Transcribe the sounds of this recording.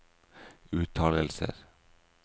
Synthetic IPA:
ʉːt̪ʰɑːləlsə̰ɾ

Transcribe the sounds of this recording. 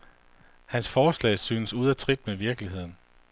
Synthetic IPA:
hænsfɒːslɛ̰ɪsyːnəsuð̞ˠæt͡sʰʁid̥meʋiɐɡ̥liɦe̝ð̞̰ˠn̩

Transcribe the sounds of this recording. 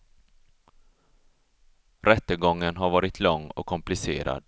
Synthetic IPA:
ɾɛt̪ːəɡɔŋːənɦaɾvɑːɾɪt̪ʰlɔŋːɔ̰kʰːɔmplɪsḛːɾa̰d̪

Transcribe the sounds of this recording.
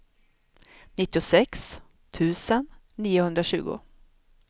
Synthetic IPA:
nɪt̪ːɪʊsɛks | t̪ʰʉ̟ːsənː | iːʊhɵnd̪ɾaɕʉ̟ːɡʊ̰

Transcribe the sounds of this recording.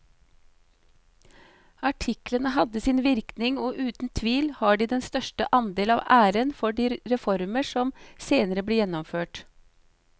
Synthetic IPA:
ɑʈʰɪklənəɦɑd̪əsɪnʋɪɾknɪŋoːʔʉːt̪n̩t̪ʰʋiːlhɑːɖiːd̪ɛnst̪œʃʈəʔɑnd̪eːlɑːʋʔæːɾənfɔɖiːɾɛfɔɾməʂɔmseːnəɾəbleːjɛnːɔmføːʈ

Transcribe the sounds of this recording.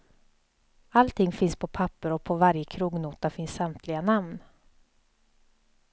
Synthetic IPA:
alt̪ʰɪŋːfɪnspʰɔpʰapːəɾɔpʰɔvaɾjəkʰɾuːɡnuːt̪afɪnssamt̪ʰlɪɡanamn

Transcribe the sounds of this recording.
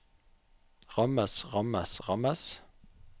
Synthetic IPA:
ʁɑməsʁɑməsʁɑməs

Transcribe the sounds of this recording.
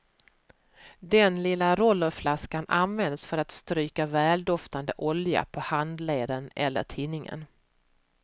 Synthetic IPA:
d̪ɛnlɪlːaɾɔlːəɾflaskanʔanvɛnd̪sfœɾat̪st̪ɾyːkavɛːld̪ɔft̪and̪əʔɔlja̰pʰɔhand̪leːd̪ənɛlːə̰ʈʰiːnːɪŋə̰n

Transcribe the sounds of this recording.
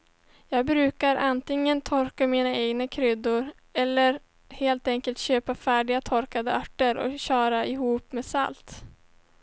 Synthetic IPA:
jɑːɡ̚bɾʉ̟ːkaɾʔant̪ɪŋːənt̪ʰɔɾkamiːnaeːɡnakʰɾʏd̪ːʊɾ | ɛlːəɾ | heːlt̪ɛŋkəlt̪ɕøːpafæːɖɪɡat̪ʰɔɾkad̪əœʈːəɾɔ̰ɕɑːɾaʔɪɦuːpmeːsa̰lt̪

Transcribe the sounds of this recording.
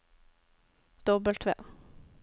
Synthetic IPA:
d̪̥ɔbəlt̪ʰʋḛː

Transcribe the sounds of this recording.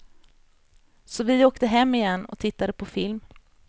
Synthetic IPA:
sɔvɪoːkt̪əɦɛmːɪjɛnːɔ̰k̚t̪ʰɪt̪ːad̪əpʰɔfɪlm

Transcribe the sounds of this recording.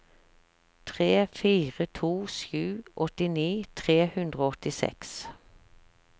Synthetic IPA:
t̪ʰʁeːfiːʁət̪ʰuːʃjʉːʔɔt̪ɪniːt̪ʰʁeːhʉnd̪ʁoːɔt̪ɪsɛ̰ks

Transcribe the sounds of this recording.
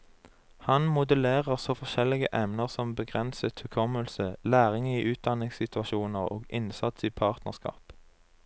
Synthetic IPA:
hɑnmʊd̪əleːʁəʁsɔfɔʃɛlɪɡəʔɛmnəʁsɔmbəɡʁɛnsət̪ʰʉkʰɔməlsəlæːʁɪŋiːʔʉːt̪̚d̪ɑnɪŋssɪt̪ʰʉɑʃuːnəʁo̰ːɡɪnsɑt̪siːpʰɑːʁt̪nəʁskɑ̰ːp

